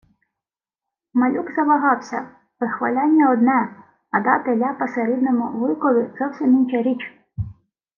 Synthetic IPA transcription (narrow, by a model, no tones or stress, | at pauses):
mɐlʲukzɐʋɐɦɑwsʲɐ | ʋɪxʋɐlʲɑnʲːɐɔd̪nɛ | ɐd̪ɑt̪elʲapɐseɾɪd̪nɔmʊʋɪkɔʋʲɪz̥ɔwsʲiminʲt͡ʃɛɾʲit͡ʃ